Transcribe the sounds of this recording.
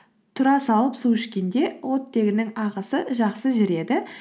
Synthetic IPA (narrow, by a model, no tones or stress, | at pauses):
t̪ʰʊɾɑsɑlˠəpsuɪʃkʲe̞nd̪e̞wo̞t̪ːe̞ɡʲɪnɪŋɑʁəsəʒɑqsəʒɪɾe̞d̪ɪ